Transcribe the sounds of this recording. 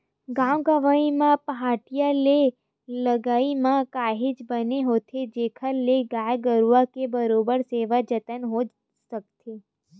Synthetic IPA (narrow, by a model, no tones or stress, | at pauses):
ɡãmɡaʋaimãpəɦaʈijale | ləɡaimãkaɦid͡ʒbəneɦot̪ʰed͡ʒekʰalːeɡajɡəɾuʋakebəɾobəɾseʋad͡ʒət̪ənɦod͡ʒ | sək̚t̪ʰe